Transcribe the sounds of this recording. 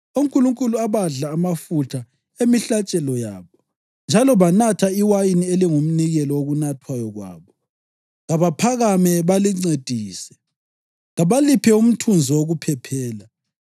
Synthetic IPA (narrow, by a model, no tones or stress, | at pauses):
uŋ̩kʼuluŋkʼuluaβaɮaːmafutʰa | emiɬat͡ʃʼɛlɔja̰ːβɔ | nd͡ʒʱalɔβanatʰaiwajinieliŋum̩niɣɛlɔoɣunatʰwajɔɣwa̰ːβɔ | ɣaβapʰaɣamɛβaliŋ͡ǀed̥ʱiːsɛ̥ | ɣaβalipʰɛum̩tʰund͡zʱɔwoɣupʰɛpʰɛːla